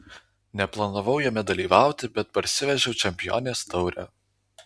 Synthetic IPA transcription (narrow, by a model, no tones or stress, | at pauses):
nʲɛplˠɐnɐʋɐʊjɛmʲɛd̪ɐlʲiːʋɑˑʊt̪ʲɪbʲɛt̪̚pɐɾʲsʲɪʋʲɛʒʲɛʊt͡ʃʲɛmʲpʲɪjo̰ːnʲeːst̪ɒʊɾʲɛ̰